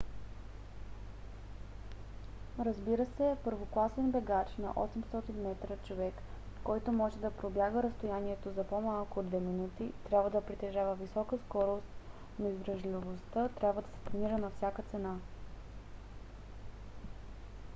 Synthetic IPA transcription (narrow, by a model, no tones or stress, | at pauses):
ɾəzbiɾəsɛpəɾvoklˠasɛnbɛɡat͡ʃnɐ̰ʔɔsɛmst̪ɔt̪inmɛt̪ɾət͡ʃovɛkːɔjt̪omɔʒɛd̪ɐpɾobjaɡəɾəst̪ojaniɛt̪ozɐpomalˠkod̪vɛminut̪it̪ɾʲjabvəd̪ɐpɾit̪ɛʒavəvisɔkəskɔɾost̪ | noizvɾɐʒlʲivost̪ət̪ɾʲjabvəd̪ɐsɛ̥t̪ɾɐniɾənɐfsʲjakət̪sɛna